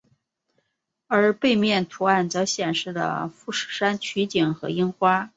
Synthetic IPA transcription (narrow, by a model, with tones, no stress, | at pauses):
ə˞˧˥pe˥˧ɪmjɛ˥˩nt̪ʰu˧˥a˥˩nt͡sɤ˧˥ɕjɛ˨˩nʂɻ̩˥˩d̪ə̰˩fu˥˩ʂɻ̩˥˩ʂa˥nt͡ɕʰy˧˥t͡ɕi˨˩ŋxɤ̰˧˥i˥nxwa˥